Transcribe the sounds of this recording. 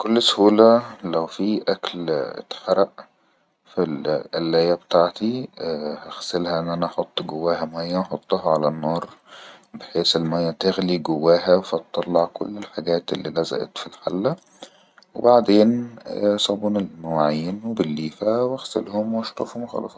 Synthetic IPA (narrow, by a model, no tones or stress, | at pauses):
kolːshuːlælæwfiːʔækl̰t̪ħɑɾˤɑʔ | filʔælːæːjæbet̪aːʕt̪ihæxselhæʔenːʔænæʔɑħot̪ˤːɡowːæːɦæmæjːæħot̪ˤːɑɦɑʕalænːɑːɾˤbeħeːselmæjːæt̪eɣliɡowːæːɦæwfɑt̪̚ˤːɑlːɑʕkʰo̰lːelħaɡæːt̪ʔḛlːiːlæzæ̰ʔæ̰t̪filħalːæ | webaʕd̪eːnsˤɑbuːnɪlmowʕijːnwebɪlːiːfæwʔæxsḛlhʊmwæʃt̪ṵːfhomxɑ̰lɑ̰sˤɑ